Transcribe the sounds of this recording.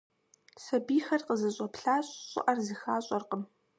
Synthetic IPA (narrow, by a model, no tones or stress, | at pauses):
sɐbiːxɐrqəzɐɕʼɐpɬaːɕʼɕʼɪ̰ʔɐrzɨxaːɕʼɔrqəm